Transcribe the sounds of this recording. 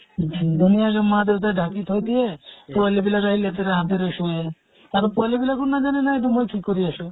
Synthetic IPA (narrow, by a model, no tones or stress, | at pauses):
d̪unijaɡemad̪et̪aɖʱakit̪ɦojt̪iepualibilaɾaɦilet̪eɾeɦat̪iɾeʃue | aɾpualibilakuɾnad͡ʒanenaeʈumojʈʰikːoɾiaʃu